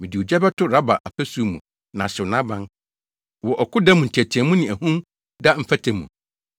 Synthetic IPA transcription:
mɪ̃˨di˨wʊ˨d͡ʑɛ˦bɛ˦tʰʊ˦ɾa˦ba˨ʔa˨pʰɛ˦su˦˨mũ˨ | nã˨ɕɪ˨nã˦bã˦n | wɔ˨ʔɔ˨kʰʊ˦da˦mũ˨tʰæ˨tʰi˨ɛ̃˨mũ˦nɪ̃˨æ˨hũ˦m | da˦m̩˦fæ˦tʰɛ̃˨mːṵ̃˨

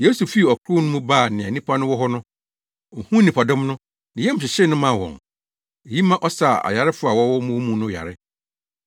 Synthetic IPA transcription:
je˦su˨fi˦˨ɔ˨kʰɾʊ˦nʊ̃˦mũ˦baː˦˨nɪ̃˨a˨nĩ˦pʰa˦nʊ̃˦wɔ˦ɦɔ˦nʊ̃˦ | ɔ˨hũ˦nĩ˨pʰa˨dʊ̃˦mnʊ̃˦ | nɪ̃˨jɛ̃˦m̩˨ɕɪ˨ɕɪ˦nʊ̃˦mã˦˨wɔ̰̃˨ŋ | e˨ji˦mã˦ʔɔ˦sa˨a̰˨ja˨ɾɪ˦fʊ˦a˨wɔ˦wɔ˦mũ˦mũ˦nʊ̃˦ja̰˨ɾɪ˦

